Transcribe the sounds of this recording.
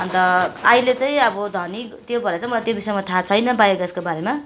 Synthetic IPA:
ʌnt̪ʌailet͡saĩʌbʌd̪ʱʌnikt̪jobʱʌɾet͡saĩmʌlat̪jobisʌjmat̪ʰat͡sʰʌjnʌbajrɡaskobaɾema

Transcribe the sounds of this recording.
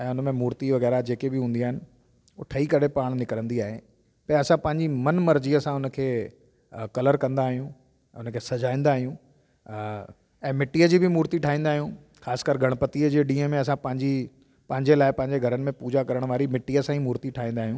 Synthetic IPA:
ɛ̃ːʊnmẽmuːɾt̪iʋɐɣɛːɾad͡ʑeːkebʱɪɦũːnd̪iaːɦɪnɪ̆ | oːʈʰɐikɐɽ̤epaːɽ̃nɪkəɾə̃nd̪iaːɦe | pɐɛ̃ɐsãpɐ̃ɦɪ̃ɲd͡ʑimɐnmɐɾd͡ʑiəsãʊnə̆kʰeː | kɐləɾkɐ̃nd̪aːɦijũ | ʊnkʰeːsɐd͡ʑaːĩːnd̪aːɦijũ | ɛ̃ːmɪʈːiːəd͡ʑiːbʱɪmuːɾt̪iʈʰaːĩːnd̪aːɦijũ | xaːskəɾɡʱɐɽ̃pət̪iəd͡ʑeːɗĩːəmẽɐs̬ãpɐ̃ɦɪ̃ɲd͡ʑi | pɐ̃ɦɪ̃ɲd͡ʑelaːɪpɐ̃ɦɪ̃ɲd͡ʑeɡʱɐɾənɪ̆mẽpuːd͡ʑakɐɾəɽ̃ʋaːɾimɪʈːiəsãĩmuːɾt̪iʈʰaːĩːnd̪aːɦijũː

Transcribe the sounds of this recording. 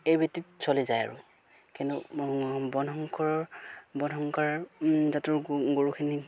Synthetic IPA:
ejbetitsolizaja̰ɹṵ | kintʊ | bɔnɔŋkʰɔɹɔbɔnɔŋkaɹzatʊɹɡoɹukʰini

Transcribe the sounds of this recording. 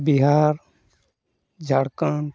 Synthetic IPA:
biɦaːɾ | d͡ʒʱəɽkəɳ

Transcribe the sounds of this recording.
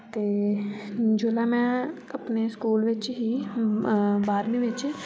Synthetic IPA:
t̪eː | d͡ʒolaːmɛ̃ːɐpneskuːlʋɪt͡ʃɦi | baːɾmiʋɪt͡ʃ

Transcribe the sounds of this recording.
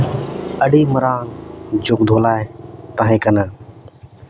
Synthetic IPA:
əɗiːməɾaːŋd͡ʒʊkd̪ʱoːlaːet̪aːɦẽːkənãː

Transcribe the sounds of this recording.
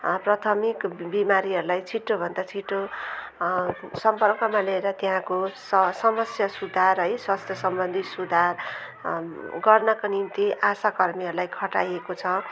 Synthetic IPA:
prʌt̪ʰʌmikbimaɾiɦʌɾulajt͡sʰiʈːobʱʌnd̪at͡sʰiʈːo | sʌmpʌrkʌmaleɾʌt̪eɦãkosʌsʌmʌsjʌsud̪ʱarɦʌjswast̪ʰjʌsʌmbʌnd̪ʱisud̪ʱar | ɡʌrnʌkonimt̪iʔasakʌrmiɦʌɾulajkʰʌʈajekot͡sʰʌ

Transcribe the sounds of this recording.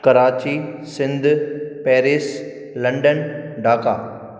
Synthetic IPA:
kɐɾaːt͡ɕisɪ̃nd̪ʱpɛːɾɪːs | lɐ̃ɳɖənɖʱaːka̰ː

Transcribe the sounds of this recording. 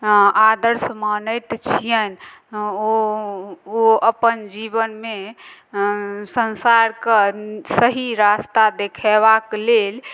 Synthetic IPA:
ad̪əɾsmanəjt̪t͡ʃʰijən | o | oəpənd͡ʒibənme | sənsaɾksəɦiɾast̪ad̪ekʰeβaklel

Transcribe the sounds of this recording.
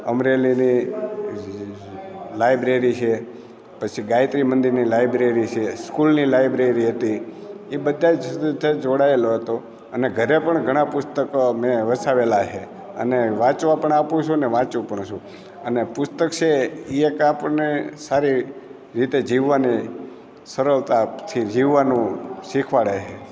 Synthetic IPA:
əmɾelini | lajbɾeɾit͡ʃʰe | pət͡ʃʰiɡajt̪ɾimənd̪iɾnilajbɾeɾit͡ʃʰeskulnilajbɾeɾiɦət̪iibəd̪ʱːad͡ʒ̪t̪ed͡ʒoɽaeloɦət̪o | əneɡʱəɾepəɳɡʱəɽ̃ãpʊst̪əkomeʋəsaʋelat͡ʃʰe | ə̰neʋãt͡ʃʋapəɳapũt͡ʃʰũneʋãt͡ʃũpəɳʃʰũ | ənepʊst̪əkt͡ʃʰeiekapənesaɾi | ɾit̪ed͡ʒiʋːani | səɾəlt̪at̪ʰid͡ʒiʋːanũʃikʰʋaɭət͡ʃe

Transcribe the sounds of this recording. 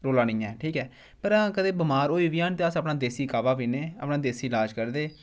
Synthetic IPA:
ɾoːlaːnɪ̃ːãɛːʈʰiːkɛː | pəɾãːkəd̪eːbɪmaːɾoːiːʋiːãːnt̪eːəsəːpnaːd̪eːsiːkaːʋaːʋiːneːə̰ːpnaːd̪eːsiːɪlaːd͡ʒkəɾd̪eː

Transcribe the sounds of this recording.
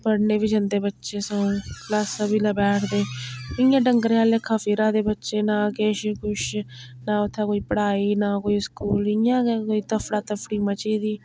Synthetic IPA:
pəɽneːbiːd͡ʒənd̪eːbətːʃeːsəũːklaːsãːbiːlabɛːʈʰd̪eːɪjãːɖəŋɡɾeaːleːkʰaːfiːɾãːd̪eːbətːʃeːnãːkeːʃkʊʃ | nãːʊt̪ʰːãːkoːiːpəɽaːiːnãːkoːiskuːlɪjãːkoːiːt̪əfɽaːt̪əfʰɽiːmət͡ʃiːd̪iː

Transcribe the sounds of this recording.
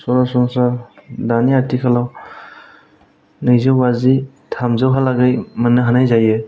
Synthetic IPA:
sɔɾasɔŋsadaniatikʰalaw | nɯzɯwbazi | tʰamzawɦalaɡajmɯnɯɦanajzaje

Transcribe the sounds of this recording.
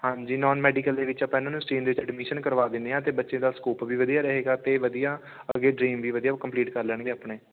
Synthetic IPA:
hãːɲd͡ʒiːnɔːnmɛːɖikəld̪eːʋɪt͡ʃəpːãɪnãːnũːsʈiːnd̪eːʋɪt͡ʃɛɖmiʃənkəɾʋaːd̪ɪ̃nd̪eːãːt̪eːbətːʃẽːd̪aːskuːpʋiːʋəd̪ijaːɾəɦeːɡaːt̪eːʋəd̪ijaː | əɡeːɖɾiːmʋiːʋəd̪ijaːkəmpliːʈkəɾlɛːɳɡeːaːpɳeː

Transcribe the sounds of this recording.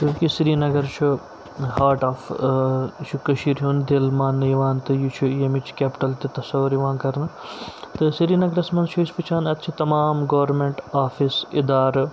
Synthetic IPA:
k̪uːkisɾiːnɐɡɐɾt͡ʃʰu | ɦaːɾʈaːf | t͡ʃʰukɐʃiːɾɦuːnd̪eːlmaːnːɨjiʋaːnt̪ɨjut͡ʃʰujɐmit͡ʃʰkʲeːpʈɐlt̪it̪ɐsɐʋuɾjiʋaːnkɐɾnɨt̪ɨsiɾiːnɐɡɐɾɐsmɐnʃʰuspɨt͡ʃʰaːnɐt̪t͡ʃʰit̪ɐmaːmɡɐʋɾmeɳʈaːfisid̪aːɾ

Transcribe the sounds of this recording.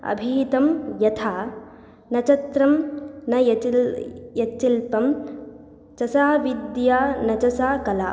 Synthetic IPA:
ɐ̰bʱiːt̪ɐmjɐt̪ʰaː | nɐt͡ʃɐt̪ɾɐmnɐjɐ | jɐt͡ʃːilpɐm | t͡ʃɐsaːʋid̪jaːnɐt͡ʃɐsaːkɐla̰ː

